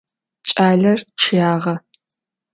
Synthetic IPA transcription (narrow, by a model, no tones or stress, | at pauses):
t͡ʃʼaːɮɐrʈ͡ʂʰɨjaːʁɐ